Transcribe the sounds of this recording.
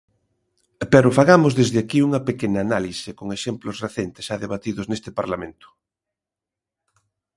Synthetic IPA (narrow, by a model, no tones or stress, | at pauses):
pɛɾofaɣamozðezðɪakiuŋɐpekenɐːnalisekoŋeʃemplʊsreθent̪e̥sʃaðeβat̪iðʊznest̪epaɾlamẽnt̪ʊ̥